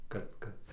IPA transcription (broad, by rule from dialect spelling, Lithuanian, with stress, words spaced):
ˈkɐt ˈkɐt